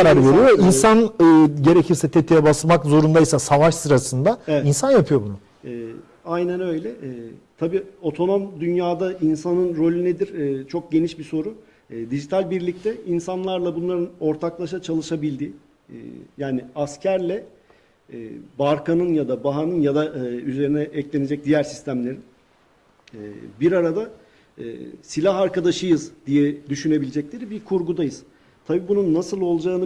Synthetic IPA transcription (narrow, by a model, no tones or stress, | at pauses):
aɾaɾveɾijoinsanɯːɟe̞ɾecʰiɾsɛt̪ʰet̪ʰijɛbasmakzo̞ɾund̪ajisasavaʃsɯɾasɯnd̪aɛinsanjapʰɯjo̞bunʊ | ɛː | ajnænø̞jlʲɛɛːt̪ʰabiːo̞t̪ʰo̞no̞md̪ynjaːd̪ainsanɯnɾo̞lʲyned̪iɾt͡ʃʰo̞k̚ɟe̞niʃbiso̞ɾu | d̪iʒit̪ʰalʲbiɾlʲic̚t̪ʰɛinsanlˠaɾlˠabunlˠaɾɯno̞ɾt̪ʰaklˠaʃat͡ʃʰalˠɯʃabilʲd̪ḭ | jaːniascʰæɾlʲɛ | baɾkanɯnjad̪abaɦanɯnjad̪ayze̞ɾinɛʔɛclʲe̞ne̞d͡ʒɛc̚d̪ijæɾsi̥st̪ʰæmlʲe̞ɾin | biɾaɾad̪a̰ | silʲaɦaɾkad̪aʃɯjɯzd̪ijɛd̪yʃyne̞bilʲed͡ʒɛclʲe̞ɾibikʰuɾɡud̪ajɯz̥ | t̪ʰabiːbununːasɯlˠo̞lˠd͡ʒaːɯnɯ